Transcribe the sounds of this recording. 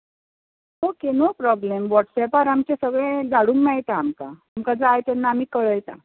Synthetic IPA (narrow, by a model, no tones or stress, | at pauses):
ɦokenopɾɔblemʋɔʈsɛpaɾamt͡ɕesəɡɭẽd͡zaɽuːmmajt̪aːmkaːmkad͡zaːjt̪ɛnːaːm̤iːkəɭəjt̪a̰